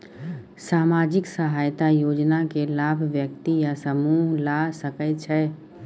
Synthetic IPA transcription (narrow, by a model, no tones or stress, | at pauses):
saːmaːd͡ʒɪksəɦaːjt̪ajoːd͡ʒnakelaːbʱʋjək̚t̪ijasəmuːɦlasəkət͡ʃʰɛː